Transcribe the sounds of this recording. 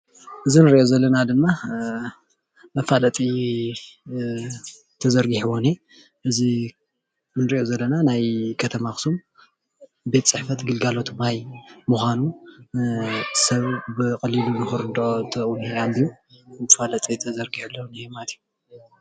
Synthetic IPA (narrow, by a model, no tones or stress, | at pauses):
ʔɨzinɨɾiʔozɐlːɐnad̪ɨmːa | mɐfalɐt̪ʼi | t̪ʰɐzɐɾɡiħwone | ʔɨzi | nɨɾiʔo̞zɐlːɐnanajkʰɐt̪ʰɐmaxɨ̥sum | be̞t̪ʼt͡sʼɨħfɐt̪ɡɨlɡalo̞t̪majmuxʷanu | sɐβbɨkʼɐlilunɨxɨɾd̪ot̪ʰɐuneambijumɐfalɐt̪ʼit̪ʰɐzɐɾɡiħɨlːoniemalt̪ʰju